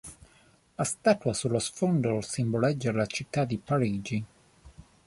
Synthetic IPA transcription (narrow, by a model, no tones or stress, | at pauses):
ast̪aːt̪uasulːosfɔnd̪olsimbolɛd͡ʒːalat͡ʃit̪ːad̪ipaɾiːd͡ʒi